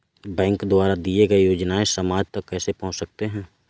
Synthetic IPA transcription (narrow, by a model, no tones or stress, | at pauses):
bɛ̃ːŋkd̪ʊaːɾad̪ieɡaejoːd͡ʒnaẽsəmaːd͡ʒt̪ɐkːɛːsepɐɦʊ̃t͡ʃsɐk̚t̪eɦɛ̃ː